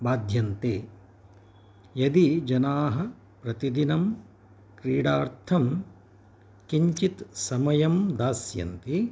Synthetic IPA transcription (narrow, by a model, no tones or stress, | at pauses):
baːd̪ʱjɐnt̪eː | jɐd̪id͡ʒɐnaːɦɐ̆ | pɾɐt̪id̪inɐm | kɾiːɽaːɾt̪ʰɐm | kiɲt͡ʃit̪sɐmɐjɐmd̪aːsjɐ̰nt̪i